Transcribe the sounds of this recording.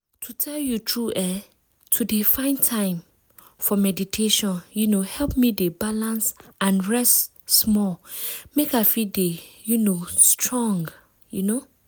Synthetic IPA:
tʰutʰɛljutʰɹuʔɛ | tʰudefãɪ̃ntʰãɪ̃m | fɔmɛditʰeʃɔ̃njunohɛlpmidebalãnsãnɹɛst | smɔlmekafidejunostʰɹɔ̃ŋɡ | juno

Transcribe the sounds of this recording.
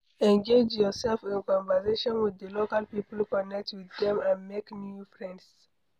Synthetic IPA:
ɛ̃nɡed͡ʒjɔsɛlfĩnkɔ̃ɱvəseʃɔ̃nwiðəlokalpipəl̩ukɔnɛk̚twiðɛ̃mãnmeknjufɹɛ̃nds

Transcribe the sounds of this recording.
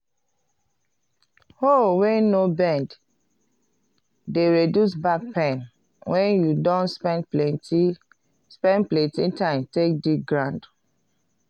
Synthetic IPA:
howɛ̃nobɛ̃nd | deɹedjusbak̚pɛ̃n | wɛ̃njudɔ̃nspɛ̃nplɛti | spɛ̃ndplɛ̃ntĩtãɪ̃mtek̚diɡɹãnd

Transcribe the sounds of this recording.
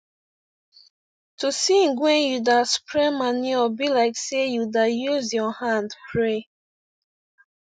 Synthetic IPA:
tʰusĩnɡwɛ̃njudaspʰɹɛmaniɔbilaɪksejudajuzjɔhãndpʰɹe

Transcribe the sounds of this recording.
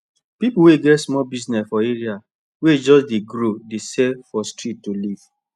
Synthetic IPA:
pipuweɡɛtsmɔbiznɛsfɔeɹia | wed͡ʒɔsdeɡɾodesɛfɔstɹittoliv̥

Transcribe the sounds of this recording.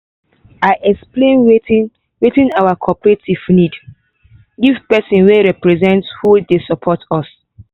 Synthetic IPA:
aɪʔɛksplẽne | wetĩnawakʰɔpɹetiv̥nid | ɡivpɛsɔ̃nweɹɛpɹɛzɛ̃ntshudesɔpʰɔtʰɔs

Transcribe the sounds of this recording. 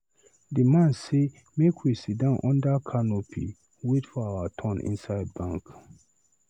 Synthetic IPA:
dimãnse | mekʰwisit̚dãnʔɔ̃ndakʰanopʰḭ | wetfɔawatʰɔ̃nʔḭ̃nsaɪd̚bãŋk

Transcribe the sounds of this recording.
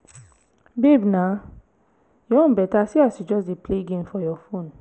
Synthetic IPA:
bebnã | jɔ̃nbɛtasiasid͡ʒɔsdepleɡẽmfɔjɔfõn

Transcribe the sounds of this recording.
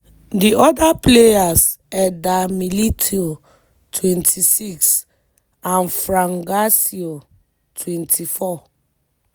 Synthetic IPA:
diɔdaplejas | ɛdamilitʰio | tʰwɛ̃ntʰisiks | ãnfɾãŋɡasio | tʰwɛ̃ntʰifɔ

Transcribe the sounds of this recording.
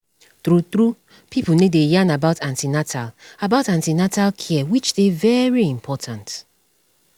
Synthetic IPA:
tɾutɾu | pʰipl̩nedejãnabaʊtãntinatʰalabaʊtãntinatʰalkʰiɛwit͡ʃdevɛɹiĩmpʰɔtʰãnt

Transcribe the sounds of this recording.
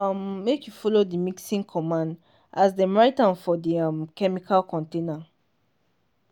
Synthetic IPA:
mːekjufɔlodimiksĩŋkʰɔmãnd | ʔasdəmɹaɪtãnfɔdiãmkɛmikʰalkɔ̃ntẽna

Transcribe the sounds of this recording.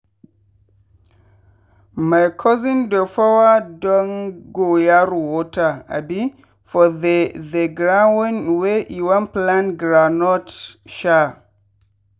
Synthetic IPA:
majkʰɔzĩndɔfɔwadɔŋɡojaɾuwɔtaa̰bi | fɔðeðeɡɾawĩnweʔiwãnplãnɡɾanɔtʃa

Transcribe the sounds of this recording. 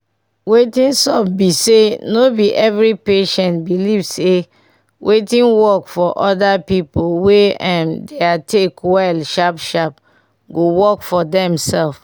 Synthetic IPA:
wetĩnsɔpbisenobiʔɛvɹipeʃɛ̃ntbilivse | wʔetĩnwɔkfɔʔɔdapipolweãndeatʰekwɛlʃapʃap | ɡowɔkfɔdɛ̃msɛlf

